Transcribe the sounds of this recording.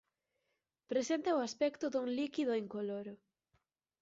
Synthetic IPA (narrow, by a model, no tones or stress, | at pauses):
pɾesent̪ɐʊaspɛkt̪ʊðuŋlikiðʊeŋkoloɾʊ